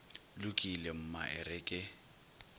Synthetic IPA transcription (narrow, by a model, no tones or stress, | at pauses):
lʊkʼilem̩ma̰ʔɪ̰rɪkʼɪ